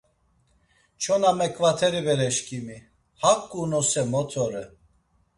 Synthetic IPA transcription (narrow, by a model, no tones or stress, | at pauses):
t͡ʃʰɔnamɛkʰʼvat̪ʰɛɾibɛɾɛʃkʰʼimi | hakʼːunɔsɛmɔt̪ʰɔɾɛ